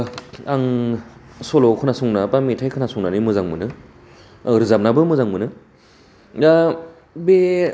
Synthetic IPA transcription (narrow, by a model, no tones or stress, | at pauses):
aŋ | solokʰɯnasuŋnapamitʰajkʰɯnasuŋnanimɯzaŋmɯnɯ | ɾɯzap̚nabɯmuzaŋmɯnɯ | a | be